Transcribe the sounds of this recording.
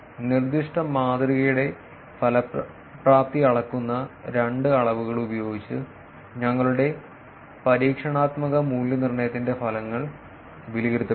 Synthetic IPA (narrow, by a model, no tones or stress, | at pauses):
nird̪iʂʈɐmːaːd̪riɣɐjuɽe̞ | fʰɐlɐ | pːraːp̚t̪iɐɭɐkːunːɐɾeɳɖɨɐɭɐʋuɣɐɭubɐjo̞ːɡit͡ɕːɨ | ɲɐŋːɐɭuɽe̞ | pɐɾiːkʂɐɳaːt̪mɐɣɐmuːljɐnirɳɐjɐt̪ːinde̞fɐlɐŋːɐɭ | ʋiliɣɐɾut̪ːɐ